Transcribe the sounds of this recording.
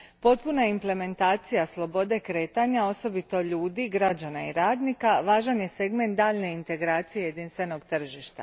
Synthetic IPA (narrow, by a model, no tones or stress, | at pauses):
po̞t̪̚punaimple̞me̞nt̪aːt̪sijaslˠo̞bo̞d̪e̞kɾe̞ːt̪aɲao̞so̞bit̪o̞ʎuːd̪iɡɾad͡ʒanaḭɾaːd̪nikaʋaːʒanje̞se̞ɡme̞nt̪̚d̪aːʎne̞int̪e̞ɡɾaːt̪sijeje̞d̪iːnst̪ʋe̞no̞ɡt̪r̩ʒiʃt̪a̰